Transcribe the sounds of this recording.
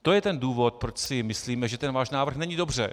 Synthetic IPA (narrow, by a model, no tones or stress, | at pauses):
t̪o̞jɛt̪ɛnduːvo̞t̪̚pɾot͡ʃsɪmɪsliːmɛʒɛt̪ɛnvaːʃnaːvr̩xnɛɲiːdo̞br̝ɛ̰